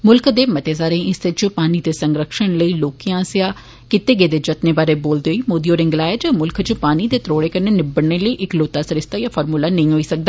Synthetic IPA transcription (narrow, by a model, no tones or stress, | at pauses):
mʊlkd̪eːmət̪eːzaːɾẽːɪsɪt͡ʃpaːniːd̪eːsəŋɡɾəkʃəɳləiːloːkiãːsɪjaː | kɪt̪eːɡeːd̪eːd͡ʒət̪neːbaːɾeːboːld̪eːɦoːiːmoːd̪iːoːɾɪ̃ŋɡlaːjed͡ʒmʊlkt͡ʃpaːniːd̪eːt̪ɾoːɽeːkəɾneːnɪbəɽneːləiːʔɪkloːt̪aːsəɾɪst̪aːjaːfʰɔːɾmuːlaːnəɦĩɦoːiːsək̚d̪aː